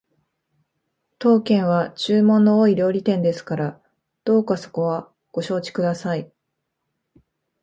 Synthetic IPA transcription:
t̪o̞ːkẽ̞ɰ̃βat͡ɕɨːmõ̞nːo̞oːiɾʲo̞ːɾʲit̪ẽ̞nd̪e̞sɨ̥kaɾa | d̪̥o̞ːkaso̞̥ko̞βa | ɡ̥o̞ɕo̞ːt͡ɕi̥kɯ̟d̪asai

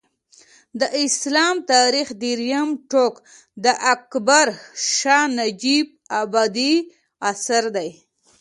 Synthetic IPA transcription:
d̪əʔɪslɑmt̪ɑɾixd̪iɾjamʈok | d̪əʔakbaɾʃɑnad͡ʒib̚abɑd̪i | asaɾd̪aj

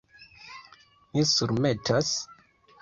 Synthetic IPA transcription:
misuɾme̞tʰas

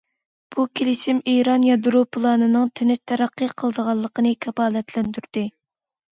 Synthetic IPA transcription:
b̥ukʲʰelɪʃɪmeɾɑnjɑd̪ɾopʰlˠɑːnɨnɨŋt̪ʰɪnɪt̪ʰɛɾæqːəqʰəlˠəd̪əʁɑlˠːəqənɨkʲʰɛpɑːlɛt̪ʰlɛnd̪yɾd̪ɪ

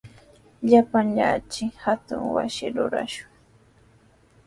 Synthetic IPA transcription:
ʎapaŋʎaːt͡ʃɪhat̪ʊŋwa̰sɪɾʊɾa̰ʃʊ̥ŋ

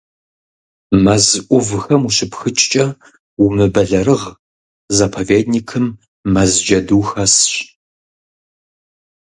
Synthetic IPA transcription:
mɐzʔʷʊvxɐmuɕɪpxɨt͡ʃʼt͡ʃʼɐ | umɨbɐɮɐɾɨʁ | zɐpʰoveːd̚nikʰɨmː | ɐzd͡ʒɐduːxɐsɕ

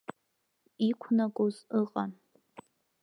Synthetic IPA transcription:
ikʷʰnakʷʼozɨqʼan

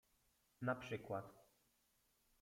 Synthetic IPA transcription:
napʂɘkwat̪

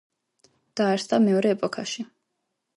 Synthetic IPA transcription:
d̪̥aːɾsd̪amɛɔɾɛːpʼɔkʰaʃi

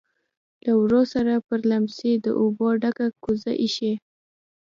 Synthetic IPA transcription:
lawɾosaɾapəɾlamsed̪ə̰ʔoboɖakakuza̰ʔiʃe

